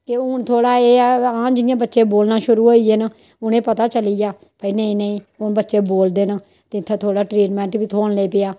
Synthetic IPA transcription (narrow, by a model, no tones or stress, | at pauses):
kɪʊnt̪ʰoːɽaːeːãːd͡ʒɪnɪjãːbətːʃeːboːlnaːʃʊɾuːoːieːnə | ʊnẽːpət̪aːt͡ʃəliːjaː | pəiːnəĩːnəĩː | ʊnbətːʃeːboːld̪eːnə | t̪et̪ʰːãːt̪ʰoːɽaːʈɾiːʈmɛ̃ːɳʈbiːt̪ʰoːnleːpɪjaː